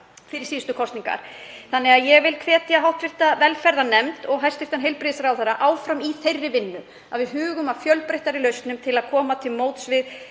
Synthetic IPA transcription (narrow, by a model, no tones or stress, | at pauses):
fɪɾɪ̥siːst̪ʏkʰɔst̪niŋka̰ɾ̥θanːɛɣaðjɛɣvɪlkʰvɛːt̪jaɦawt̪fɪ̥t̪avɛlfɛɾðanɛmt̪ɔɣɦajrst̪ɪft̪anɦejlpɾɪðsaɾawθeɾːaʔaːwfɾamiθejrːɪvɪnːʏ | aðvɪðɦʏːɣʏmavfjœlpɾejht̪aɾɪlœɥst̪nʏmt̪ʰɪlaðkʰɔːmat̪ʰɪlmoːwt̪svɪð